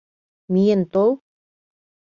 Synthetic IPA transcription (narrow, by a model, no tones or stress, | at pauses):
mijent̪ow